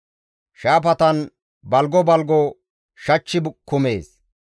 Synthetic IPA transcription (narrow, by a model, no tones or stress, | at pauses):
ʃaːp̬ɐt̪ɐn | bɐlɡɔbɐlɡɔ | ʃɐt͡ʃːɪbkːʊme̞ːs